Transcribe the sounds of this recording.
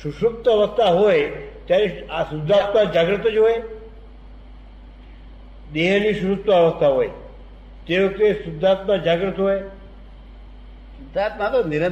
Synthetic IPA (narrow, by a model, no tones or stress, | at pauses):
ʃʊʃʊk̚t̪əəʋəst̪ʰaɦoet̪jaɾeasʊd̪ʱːat̪mãd͡ʒaɡɾət̪d͡ʒoːe | d̪eɦniʃʊʃʊk̚t̪əəʋəst̪ʰaɦoːe | t̪eõkesʊd̪ʱːat̪mãd͡ʒaɡɾət̪ɦoe | sʊd̪ʱat̪mãt̪onɪɾə